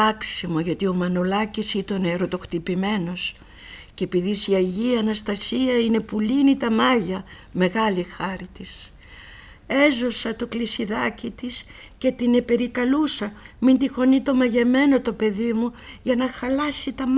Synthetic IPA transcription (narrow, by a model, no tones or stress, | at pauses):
ɐksimo̞ʝɐt̪io̞mɐno̞lɐcisit̪oneɾo̞t̪o̞xt̪ipime̞no̞s | ceepiðisiɐʝiɐnɐst̪ɐsiɐine̞pulinit̪ɐmɐʝɐ | me̞ɣɐlixɐɾit̪is | e̞zo̞sɐt̪o̞klisiðɐcit̪is | ce̞t̪ine̞pe̞ɾikɐlusɐmint̪ixo̞nit̪o̞mɐʝe̞me̞no̞t̪o̞pe̞ðimuʝɐnɐxɐlɐsit̪ɐm